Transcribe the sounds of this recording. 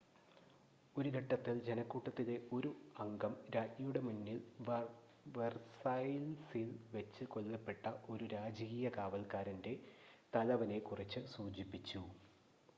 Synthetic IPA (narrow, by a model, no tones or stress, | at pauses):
o̞ɾukɐʈːɐt̪ːild͡ʑe̞nɐkːuːʈːɐt̪ːile̞o̞ɾuɐŋɡɐmɾaːtɲɐjuɽe̞munːil | ʋersɐjlsilʋet͡ɕːɨko̞lːɐpːe̞ʈːɐʔo̞ɾuɾaːd͡ʑiɣijɐkaːʋɐlkaːɾɐnde̞t̪ɐlɐʋɐne̞kurit͡ɕːɨsuːd͡ʑipːit͡ɕːu